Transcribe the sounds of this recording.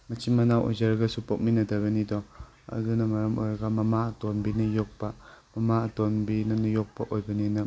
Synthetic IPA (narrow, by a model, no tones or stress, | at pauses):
mɐt͡ʃʰimmɐnawʔo̰jzɐɾɐɡɐsupok̚minɐdɐbɐnidɔ | ɐ̰dunɐmɐɾɐmʔo̰jɾɐɡɐmɐmaɐtonbinɐjok̚pɐmɐmaɐtonbinɐnɐjok̚pɐʔojbɐninɐ